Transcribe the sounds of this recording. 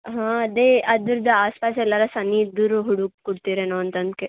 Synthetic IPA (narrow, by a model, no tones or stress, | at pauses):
ɦãːɐd̪eːʔɐd̪ɐɾd̪ɐaːspaːsɐɛlːɐɾɐsɐnːid̪uɾuɦuɽukuɽt̪iːɾenoːɐnt̪ɐnd̪ke